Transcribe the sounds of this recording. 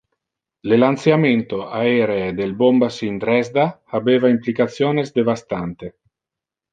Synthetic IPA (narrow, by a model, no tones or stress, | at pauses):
lelant̪sjament̪oaeɾeːd̪elbombasind̪ɾɛzd̪aabeːvaimplikat̪sjoːnezd̪evast̪ant̪e